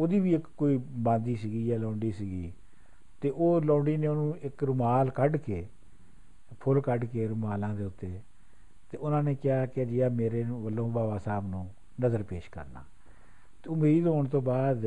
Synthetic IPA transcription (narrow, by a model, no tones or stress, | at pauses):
oːd̪iːʋiːɪkːoːiːbãːnd̪iːsiɡiːjaːlõːɳɖiːsiɡiː | t̪eːʔoːlõːɳɖiːnẽːoːnũːɪkɾʊmaːlkəɖkeː | pʰʊlkəɖkeːɾʊmaːlãːd̪eːʊt̪ːeː | t̪eːʊnãːneːkɪaːkɪd͡ʒɪːaːmeːɾeːʋəlːõːbaːʋãːsaːbnũː | nəzəɾpeːʃkə̰ɾna̰ː | t̪eːʊmeːid̪ɦoːɳt̪õːbaːd̪